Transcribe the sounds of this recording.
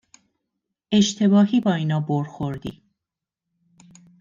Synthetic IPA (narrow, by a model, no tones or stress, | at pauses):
e̞ʃt̪ʰe̞bɒːɦiːbɒːiːnɒːboɾxoɾd̪ḭː